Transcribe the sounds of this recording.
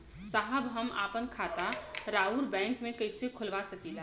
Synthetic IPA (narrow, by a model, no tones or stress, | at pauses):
saɦəbɦəma̰ːpənkʰaːt̪aɾauɾbɛ̃ːŋkmẽkəɪsekʰʊlʋasəkid̪